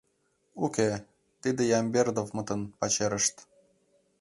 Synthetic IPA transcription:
ukʲe | t̪id̪ejɑmbʲerd̪ovmɤt̪ənpɑt͡ɕeɾə̆ʃt̪

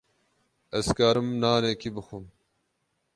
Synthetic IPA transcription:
ɐskaːɾɨmnaːneːkibɨxum

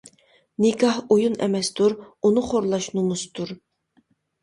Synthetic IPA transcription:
nɪkʰɑhojunɛ̰mɛst̪uɾunɨχoɾlˠɑʃnumust̪uɾ

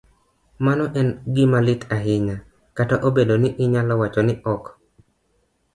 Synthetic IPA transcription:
manɔʔɛnɡɪmalɪtaɦɪɲa | kataʔobedonɪʔɪɲalɔwat͡ʃɔnɪʔɔk

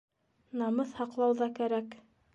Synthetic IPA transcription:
nɑmɤθhɑqlˠɑwðɑkæɾæk

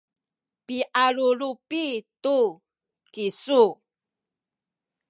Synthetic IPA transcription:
piʔalulupitu | kisu

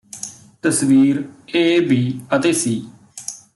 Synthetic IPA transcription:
t̪əsʋiːɾeːbʱiːət̪eːsiː

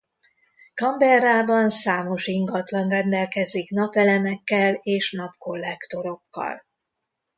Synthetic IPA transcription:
kɒmbɛraːbɒnsaːmo̞ʃiŋɡɒt̪lɒnrɛnd̪ɛlkɛziknɒpɛlɛnɛkːɛleːʃnɒpko̞lːɛkt̪o̞ɾo̞kːɒ̰l

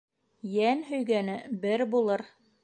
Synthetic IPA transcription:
jænɦɵ̆jɡænɘbɘɾbulˠɤɾ

